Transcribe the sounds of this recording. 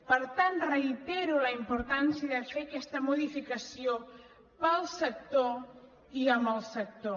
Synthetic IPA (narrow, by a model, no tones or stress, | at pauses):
pəɾt̪ant̪rəit̪ɛɾuləimpuɾt̪ansiəðəfekɛst̪əmuðifikəsio | pəlˠsək̚t̪o | iəmbəlˠsək̚t̪o